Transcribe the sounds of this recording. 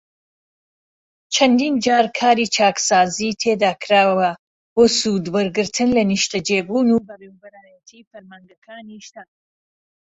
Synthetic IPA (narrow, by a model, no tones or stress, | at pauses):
t͡ʃʰɐnd̪iːnd͡ʒaːɾkʰaːɾiːt͡ʃʰaːksaːzit̪ʰeːd̪aːkʰɾaːwɐ | boːsud̪wɐɾɡɨɾt̪ʰɨnlɐniʃt̪ɐd͡ʒeːbuːnubɐrembɐɾaːjɐt̪ʰiːfɐɾmaŋɡɐkʰaːniʃt̪aːn